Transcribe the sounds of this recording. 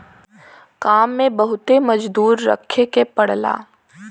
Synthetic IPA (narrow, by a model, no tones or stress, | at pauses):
kaːmːẽbɐɦʊt̪emɐd͡ʒd̪uːɾːɐ̰kʰekepɐɽla̰ː